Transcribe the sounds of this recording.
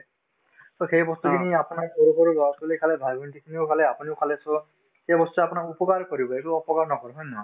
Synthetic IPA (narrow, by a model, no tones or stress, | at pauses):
soxejbɔst̪ukʰiniapunaɹkɔɾukɔɾuɡɔsɔlikʰalebʱajbʱɔnʈikʰiniokʰaleapuniʊkʰaleso | ejbɔst̪uapunaɹupɔkaɹkɔɾibɔekuɔpɔkaɹnɔkɔɾuɦɔjna